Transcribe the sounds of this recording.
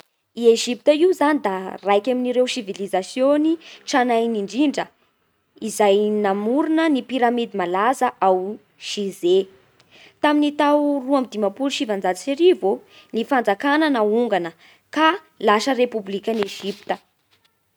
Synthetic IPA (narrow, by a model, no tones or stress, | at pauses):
ieʒip̚t̪əiuzanid̪arajkʲaminiɾewsivilizasjoniʈ͡ʂanajniɳɖ͡ʐiɳɖ͡ʐə | izajnamuɾunənipiɾamid̪imalazəʔaw | ʃize | t̪aminit̪awruamid̪imapuluʃivand͡zad͡ziseɾivo | nifand͡zakananauŋɡanə | ka | laʃərepublikʲaneʒipi̥t̪ə